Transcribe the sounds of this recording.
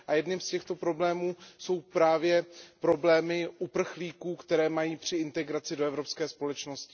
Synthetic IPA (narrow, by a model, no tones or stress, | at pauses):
ʔajɛdnɪmscɛxt̪o̞pɾo̞blɛːmuːso̞wpɾaːvjɛpɾo̞blɛːmɪʔupr̩xliːkuːkt̪ɛɾɛːmajiːpr̝̥ɪɪnt̪ɛɡɾat͡sɪdo̞ɛvɾo̞pskɛːspo̞lɛt͡ʃnoscɪ